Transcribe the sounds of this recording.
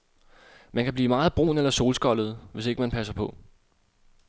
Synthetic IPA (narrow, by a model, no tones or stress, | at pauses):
mænkʰæb̥liːmɑ̈ːð̩ˠb̥ʁo̝̰ːnelɐso̝ːlsɡ̥ɒ̽lð̞̩ˠʋe̝se̝ɡəmænpʰæsɐpʰɒ̽